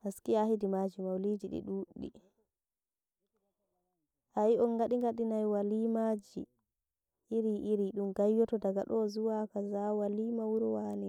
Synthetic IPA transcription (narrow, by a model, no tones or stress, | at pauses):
haskiahidimad͡ʒimawlid͡ʒiɗḭɗuɗːḭ | ʔajiɔnɡaɗiŋɡaɗinajwalimad͡ʒḭː | ɾiʔiɾiɗumɡajːɔtɔdaɡa̰ɗɔzuwakazawalimawuɾɔwani